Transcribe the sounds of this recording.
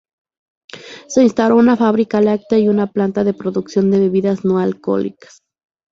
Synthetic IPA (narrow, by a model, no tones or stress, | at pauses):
se̞inst̪awɾo̞unafaβɾikalak̚t̪aiunaplant̪aðe̞pɾo̞ðuksjo̞nd̪e̞βeβiðaznoalko̰lḭkḁs